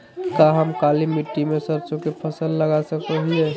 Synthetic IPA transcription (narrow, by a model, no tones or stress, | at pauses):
kaɦəmkalimiʈːimesəɾt͡ʃõkepʰəsəlːəɡasəkɾəɦiɛ